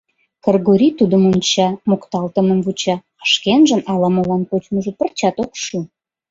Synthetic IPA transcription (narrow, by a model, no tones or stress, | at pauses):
kərɣoɾʲit̪ud̪əmonʲt͡ɕɑmokt̪ɑlt̪əmə̆mvut͡ɕɑ | ə̥ʃkenʒə̆nʔɑlɑməlɑnkot͡ɕməʒə̆pərt͡ɕɑt̪okʃu